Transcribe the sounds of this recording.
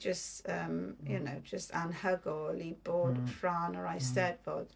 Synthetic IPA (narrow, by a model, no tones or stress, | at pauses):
d͡ʒʌstəmjənoʊd͡ʒʌstãnhəɡɔlib̥ɔːdfɹaːnəɹaɪsɛdbɔːd̥